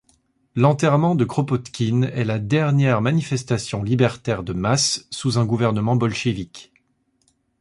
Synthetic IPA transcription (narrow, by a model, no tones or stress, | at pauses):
lɑ̃t̪ɛʁmɑ̃d̪əkχɔpɔt̪kʲinɛlad̪ɛʁnjɛʁmanifɛst̪asjɔ̃libɛʁt̪ɛʁd̪əmasːuzɛ̃ɡuvɛʁnəmɑ̃bɔlʃevik